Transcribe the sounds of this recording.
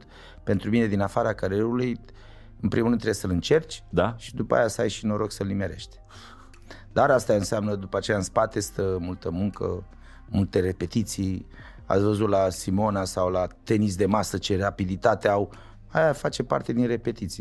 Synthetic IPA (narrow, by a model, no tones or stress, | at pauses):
t̪ | pe̞nt̪ɾumine̞d̪inafaɾakaɾieɾuluj | ɨnpɾʔimunɨnt̪ːɾeesəlɨnt͡ʃe̞rt͡ʃʲd̪aʃi̥d̪upəa̰jasajʃino̞ɾo̞ɡsəlimeɾe̞ʃt̪ʲ | d̪aɾast̪aɨnseamnəd̪upəat͡ʃe̞jaɨnspat̪e̞st̪əmult̪əmuŋkə̰ | mult̪e̞re̞pe̞t̪it̪sij | a̰t̪svəzut̪lasimo̞nasawlat̪e̞nis̬d̪e̞masət͡ʃe̞rapid̪it̪at̪eaw | ajafat͡ʃe̞pa̰rt̪e̞d̪inre̞pe̞t̪it̪si